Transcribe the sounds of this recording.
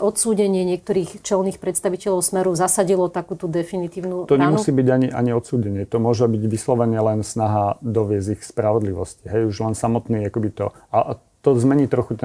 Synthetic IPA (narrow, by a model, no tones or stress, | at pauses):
ʔɔt̪suːɟɛɲɪɛɲɪɛk̚t̪ɔɾiːxt͡ʃɛlniːxpɾɛt̪st̪aʋicɛʎɔʊsmɛɾuzasaɟilɔt̪akuːt̪ud̪ɛfinit̪iːʊnut̪ɔɲɛmussiːbiɟaɲiʔa̰ɲiɔt̪suːɟɛɲɪɛt̪ɔmʊɔʒɛbiɟʋislɔʋɛɲɪɛlɛnsnaɦad̪ɔʋɪɛzixspɾaʋɔd̪liʋɔsci̥ɦɛjuʒlɛnsamɔt̪niːakɔbit̪ɔaʔ | t̪ɔzmɛɲiːt̪ɾɔxut̪